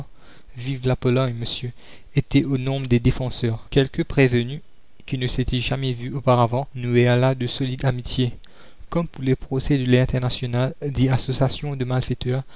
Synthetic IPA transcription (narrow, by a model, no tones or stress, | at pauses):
vivlapɔlɔɲməsjø | et̪ɛonɔ̃bʁəd̪ed̪efɑ̃sœːʁkʲɛlkəpχevəny | kʲinəset̪ɛʒamɛvyopaʁavɑ̃nuealad̪əsolid̪amit̪je | kɔmpuʁlepχosɛd̪əlɛɛ̃t̪ɛʁnasjonald̪iasosjasjɔ̃d̪əmalfet̪œːʁ